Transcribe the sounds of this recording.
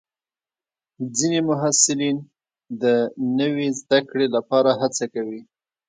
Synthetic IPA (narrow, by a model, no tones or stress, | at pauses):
d͡zinemʊɦasɪlin | d̪ənəwezd̪akɽelapɑɾaɦat͡sakawi